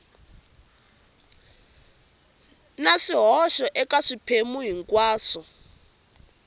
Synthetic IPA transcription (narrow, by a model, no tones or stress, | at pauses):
naʂiɦɔʃɔʔɛkaʂipʰemuɦiŋkʼwaːsɔ